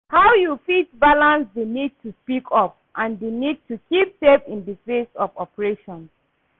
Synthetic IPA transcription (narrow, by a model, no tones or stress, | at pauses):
hawjufitbalãnsdenid̚tʰuspikʰɔp̚ | ʔãndenid̚tʰukip̚sepĩndikɹesɔvɔpəɹeʃɔ̃ns